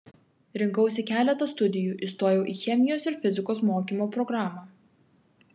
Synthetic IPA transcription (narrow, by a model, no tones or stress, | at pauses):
ɾʲɪŋˑkɐʊsʲɪkʲæːlʲɛt̪ɐst̪ʊd̪ʲɪjuːʔiˑst̪oːjɛʊʔiːxʲɛmʲɪjoːsɪɾfʲɪzʲɪkoːsmoːkʲiːmoːpɾɔɡɾɑːmɑː